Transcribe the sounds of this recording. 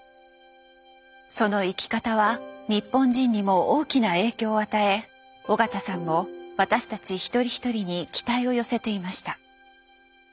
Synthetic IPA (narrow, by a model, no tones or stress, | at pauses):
so̞no̞ikʲi̥kat̪aβaɲ̟ipːõ̞ɲ̟d͡ʑĩɲ̟ːimo̞oːkʲinae̞ːkʲo̞ːat̪ae̞ | o̞ɡat̪asãŋːo̞βat̪aɕi̥t̪at͡ɕiçi̥t̪o̞ɾʲiçi̥t̪o̞ɾʲiɲ̟ikʲi̥t̪aio̞jo̞se̞t̪e̞imaɕi̥t̪a